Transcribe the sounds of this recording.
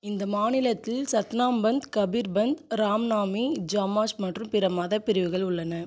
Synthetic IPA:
ɪnd̪ɐmaːnɪlɐt̪ːɪlsɐt̪naːmbɐnd̪kɐbiɾbɐnd̪ɾaːmnaːmid͡ʒaːmaːsmɐʈrɯmpɪɾɐmɐðɐpːɪɾɪʋɯɣɐɭʊɭːɐnɐ

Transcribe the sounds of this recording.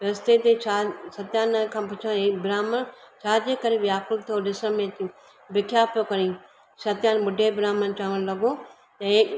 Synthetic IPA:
ɾɐst̪et̪et͡ʃʰaːsɐt̪jaːnkʰãːpʊt͡ʃʰãebɾaːmənt͡ʃʰaːd̪ekɐɾeʋijaːkʊlt̪ʰijoɖɪsəmẽt̪ĩ | bɪkʰjaːpjokɐɾĩː | sɐt̪jaːnbʊɖʱebɪɾaːmənt͡ʃaːʋəñlɐɡo | t̪ɐeː

